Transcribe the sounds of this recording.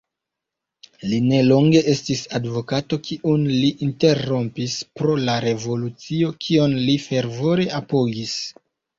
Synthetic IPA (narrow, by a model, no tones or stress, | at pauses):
line̞lo̞ŋɡe̞ʔe̞stisadvo̞kato̞kʰiʔunliʔinte̞ro̞mpispɾo̞laɾe̞vo̞lut͡sio̞kʰio̞nlife̞ɾvo̞ɾe̞apo̞ɡis